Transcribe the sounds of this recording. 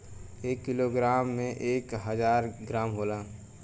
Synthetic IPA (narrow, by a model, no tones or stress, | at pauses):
eːkːɪloɡɾaːmːẽʔeːkɦəzaːɾɡɾaːmɦoːlaː